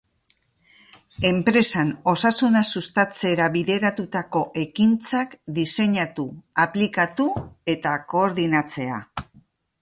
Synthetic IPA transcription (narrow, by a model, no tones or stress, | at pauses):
e̞mpɾe̞sano̞sasunasust̪at͡se̞ɾaβiðe̞ɾat̪ut̪ako̞ʔe̞kint͡sakd̪ise̞ɲat̪uaplikat̪ue̞t̪ako̞ːɾðinat͡se̞a̰